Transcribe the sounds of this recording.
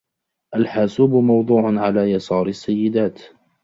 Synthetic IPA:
ʔalħaːsuːbʊmɑwd̪ˤuːʕʊnʕalaːjɑsˤɑːɾasːajːɪd̪aːt̪

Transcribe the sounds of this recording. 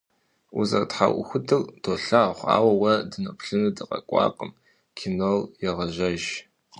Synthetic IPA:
uzɐ̰rtħa̰wʔʷʊ̰xʷʊdɨrd̥ʰoɬaχʷa̰ːwɐwɐdɨnɐpɬɨnɨdɨqʼɐ̰kʷʼɑ̰ːqʼəm | kʰinoljɛʁɐʒɐʒ

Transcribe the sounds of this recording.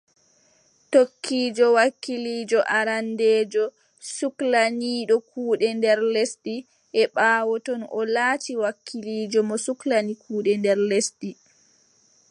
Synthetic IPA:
tokʰːiːd͡ʒɔwakːiliːd͡ʒɔʔaɾandeːd͡ʒɔ | suklaniːɗɔkuːɗɛndɛɾlesɗi | ʔɛɓaːwɔtɔnɔ̰laːtiwakːiliːd͡ʒɔmɔsuklanikʰuːɗɛndɛɾlesdi

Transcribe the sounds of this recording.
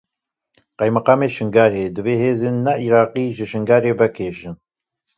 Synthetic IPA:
qɛjmɨqɑːmeːʃɨŋɡaːɾeːd̪ɨveːɦeːzeːnnːɛʔiːɾɑːqiːʒɨʃɨŋɡaːɾeːvɛkʰeːʃɨn

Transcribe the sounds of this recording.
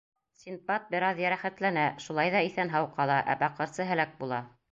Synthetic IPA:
sʲinpɑt̪̚bɘ̆ɾɑðjæɾæχæt̪lænæʃulˠɑjðɑiθænɦɑwqɑlˠɑʔæ̰bɑqɤ̆ɾsɤɦæ̆læk̚bulˠɑ

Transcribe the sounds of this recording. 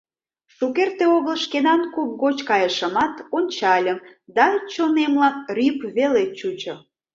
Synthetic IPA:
ʃukert̪eoɣəlʃkenɑnkup̚ɣot͡ɕkɑjəʃə̆mɑt̪onʲt͡ɕɑlʲəmd̪ɑt͡ɕonemlɑkrʲypβelet͡ɕut͡ɕɤ̆

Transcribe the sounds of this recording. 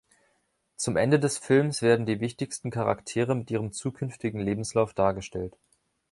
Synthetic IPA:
t͡sʊmʔɛndədɛsfɪlmsv̥eːɐdn̩diːvɪçtɪçstn̩kʰaʁa̰ktʰeːʁəmɪtʔiːʁ̞əmt͡suːkʰʏnftɪɡŋ̩leːbm̩slaʊfd̥aːɐɡəʃtɛlt

